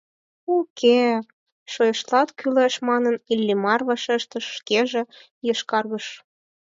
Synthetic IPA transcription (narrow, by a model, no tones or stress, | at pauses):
ukʰe | ʃojəʃlɑt̪kʰyleʃmɑnənilʲːimɑrvɑʃeʃt̪əʃːkeʒĕ | jəʃkɑrɣəʃ